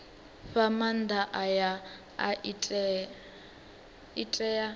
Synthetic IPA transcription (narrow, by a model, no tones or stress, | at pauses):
ɸamand̪aʔaja | aiɛ | itʼɛja